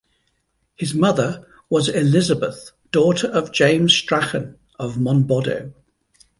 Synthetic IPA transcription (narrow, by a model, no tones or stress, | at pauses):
hɪzmʌðə | wɒzɪlɪzəbəθ | d̥ɔˑtʰəɹəvd͡ʒẽɪ̃mz̥stɹ̥axə̃n | əvmɒ̃nbɒdə̰ʊ